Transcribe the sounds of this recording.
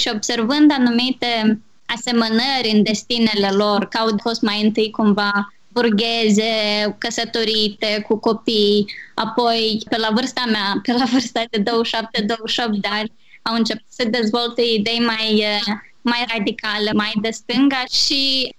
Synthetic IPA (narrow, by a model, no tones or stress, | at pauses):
ʃio̞bse̞rvɨnd̪anumit̪e̞ | ase̞mənəɾʲɨnd̪e̞st̪ine̞le̞lo̞rkəawd̪fo̞st̪majɨnt̪ɨjkumva | burɡʲezekəsət̪o̞ɾit̪e̞kuko̞pijapo̞jpelavɨrst̪ameapelavɨrst̪ad̪e̞d̪owəʃap̚t̪ed̪owəʃop̚t̪̚d̪eanʲ | awɨnt͡ʃe̞put̪səd̪e̞zvo̞lt̪eid̪e̞jmajə | majrad̪ikale̞majd̪est̪ɨŋɡəʃi